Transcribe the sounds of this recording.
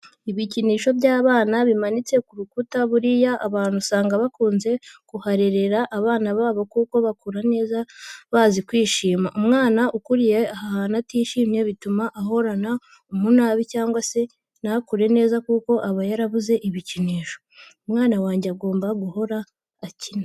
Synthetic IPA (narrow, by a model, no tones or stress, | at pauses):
iβiciniːʃo̞βɟaːβaːnaβimanit͡se̞kuɾukutaβuɾijaʔaβaːn̥husaːŋɡaβakuːnze̞kuhaɾe̞ɾe̞ɾaʔːβaːnaβaːβo̞kuːko̞βakuɾane̞ːzaβazikwiːʃiːmaʔumŋaːnaʔukuɾijeahahanatiːʃiːmɲe̞βitumaʔaɦo̞ɾana | umunaːβicaːŋɡwase̞ | nakuɾe̞ne̞ːzakuːko̞ʔaβajaɾaβuze̞ʔiβiciniːʃo̞̥umŋaːnawaːɲɟeaɡo̞ːmbaɡuho̞ɾaː | cina